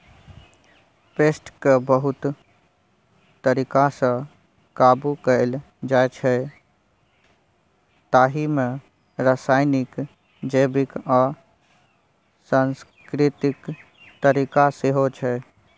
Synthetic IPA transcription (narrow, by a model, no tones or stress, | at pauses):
peːsʈkebəɦʊt̪ | t̪əɾikasə̃ | kabukəl | d͡ʒaet͡ʃʰɛ | t̪aːɦimẽ | ɾəsaːɪnɪk | d͡ʒəːbɪkaː | sans | kɾɪt̪ɪk | t̪əɾikaseɦot͡ʃʰɛ